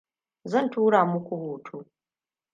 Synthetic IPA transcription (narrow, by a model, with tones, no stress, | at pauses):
zɐ˦ntuː˦ɽaː˨mʊ˦kʷu˨boː˨tʰuː˦